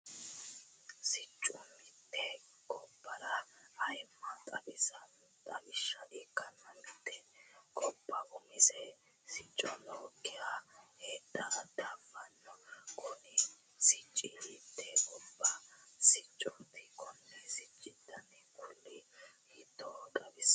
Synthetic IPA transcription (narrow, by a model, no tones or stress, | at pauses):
sɪt͡ʃʼːʊmɪt̪ːɛ | kʼɔpːɐɾɐːjmːɐt̪ʼɐbɪ | t̪ʼɐbɪʃːɐᶑiːkːɐnːɐmɪt̪ːɛkʼɔpːɐʔʊmɪsɛ | sɪt͡ʃʼːɔnɔkːɪjaheːd̪ːɐd̪abɐnːɔkʰʊnɪ | sɪt͡ʃʼːɪmɪt̪ːɛkʼɔbːɐsɪt͡ʃʼːɔnt̪ɪkʰɔnːɛsɪt͡ʃʼːɪd̪ɐnɛkʊlːɪhɪd̪ːɔkʼɐbɪs